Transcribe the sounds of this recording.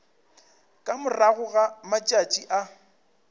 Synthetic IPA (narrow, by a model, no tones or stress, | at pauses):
kʼamʊraɣʊɣamat͡ʃʼat͡ʃʼiʔa